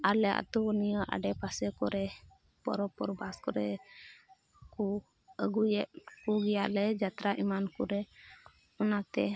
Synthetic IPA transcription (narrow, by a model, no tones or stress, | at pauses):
alɛa̰t̪unijəʔa̰ɖɛpasɛkɔɾɛ | pɔ̰ɾɔpɔɾbaskɔɾɛ | ku | əɡujɛʔ̪̚kuɡɛjaʔlɛd͡ʒat̪ɾaʔimankuɾɛ | ɔnat̪ɛ